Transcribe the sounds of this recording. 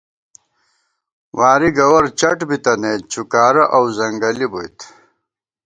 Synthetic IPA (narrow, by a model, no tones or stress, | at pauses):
waːɾiɡɐwɐɾt͡ɕɐʈbit̪ɐneːt͡ɕʰukaːɾɐʔɐwzɐŋɡɐlibojt̪